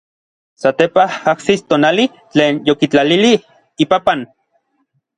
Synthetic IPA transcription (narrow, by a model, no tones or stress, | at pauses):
sat̪epahaksist̪oːnali | t͡ɬeːnjokit͡ɬalili | ipapan